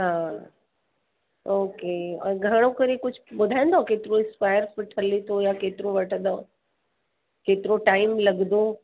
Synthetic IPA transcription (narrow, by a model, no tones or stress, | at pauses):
ɦaː | oːkeːɔ̰̃ɡʱɐɽ̃okɐɾekʊd͡ʑʱʊɓʊd̪ʱaːẽnd̪okeːt̪ɪɾoɪ̃spaːɪəɾfɪʈʰəlet̪ʰojakeːt̪ɪɾõʋɐʈʰəd̪a | keːt̪ɪɾoʈaːɪmlɐɡnd̪o